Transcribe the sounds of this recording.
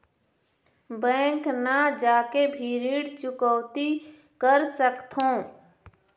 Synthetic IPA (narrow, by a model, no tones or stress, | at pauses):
bɛ̃ːŋknad͡ʒaːkebʱiːɾiːɽt͡ʃʊkɔwt̪i | kəɾsəkt̪ɦõː